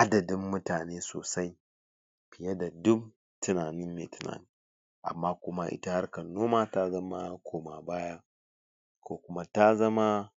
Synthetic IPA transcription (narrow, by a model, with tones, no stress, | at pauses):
ʔa˦dɐ˨dɪ˦mːʊ˦taː˨neː˦so̰ː˨sa˦j | pɪ˨ja˦da˨dʊ˦m̚ | tʊ˦naː˨nɪ˦mmḛː˨tʊ˦na̰ː˨ni˦ | ʔa̰˨mːaː˦kʷʊ˦ma˦ʔɪ̰˦ta˦ha˦rkɐ˨nːoː˦maː˦ta˦zɐ˦ma˦kʰoː˨ma˨baː˦ja˦ | kʰoː˦kʊ˦ma˦ta˦zɐ˦ma˦